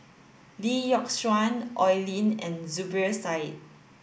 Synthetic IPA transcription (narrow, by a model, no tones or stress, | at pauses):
lijɔkswãnʔɔjlĩnɛ̃nzubəsaɪt̚